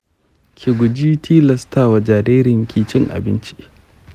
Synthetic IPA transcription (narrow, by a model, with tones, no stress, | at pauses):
kʲʰɪ˨ɡʷʊ˨d͡ʒi˦tʰiː˦lɐ˨stʰaː˨wa˨d͡ʒaː˨ɾeː˦ɾɪ˨ŋkʲiː˨t͡ʃɪ˦ŋʔa̰˨bɪ˦nt͡ʃi̥˦ʔ